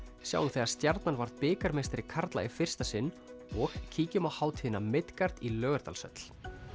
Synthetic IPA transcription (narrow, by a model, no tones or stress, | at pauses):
sja̰wʏmθɛːaɾ̥st̪jaɾt̪nanvaɾðpɪːkaɾmejst̪ɾɪkʰaɾt̪la̰ɪfɪr̥st̪asɪnː | ɔxcʰiːcʏmawhaːwt̪hɪnamɪt̪kaɾ̥t̪ilœːɣʏɾ̥t̪a̰lsœ̰t̪l̥